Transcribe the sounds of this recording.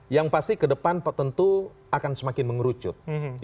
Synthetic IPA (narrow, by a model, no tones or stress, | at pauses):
jaŋpast̪ikədəpanpət̪ənt̪u | akansəmakɪnməŋəɾut͡ʃʊt̪̚